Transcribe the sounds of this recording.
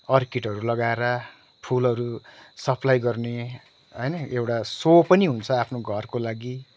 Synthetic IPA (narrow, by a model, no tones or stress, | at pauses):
ʌrkiʈɦʌɾulʌɡaeɾʌ | ʈʰulɦʌɾusʌpʰlajɡʌrne | ɦʌjnʌewʈasopʌniɦunt͡sʰʌapʰnoɡʱʌrkolaɡi